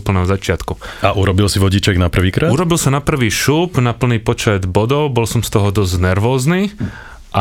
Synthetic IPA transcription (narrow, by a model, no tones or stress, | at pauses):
pl̩nɛːɦɔzat͡ʃɪat̪kuaʔuɾɔbilsiʋɔɟit͡ʃɛɡnapr̩ʋiːkɾauɾɔbilsanapr̩ʋiːʃuːbnapl̩niːpɔt͡ʃɛd̪bɔd̪ɔʊbɔlsɔmst̪ɔɦɔd̪ɔzɟnɛɾʋɔːzniː | ʔa